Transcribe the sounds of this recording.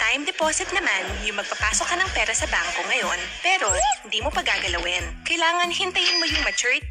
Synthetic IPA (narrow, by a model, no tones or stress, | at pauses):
t̪ajmd̪ɛpoːsɪt̪̚nɐmanjʊŋmɐɡ̚pɐpaːsokːɐnɐŋpɛːɾɐsɐbaːŋkoŋɐjo̞npɛːɾo̞hɪnd̪iːmopɐɡaːɡɐlɐwɪnkɐjlaːŋɐŋhɪnt̪ɐjɪnmojʊŋmɐt͡ʃuɹ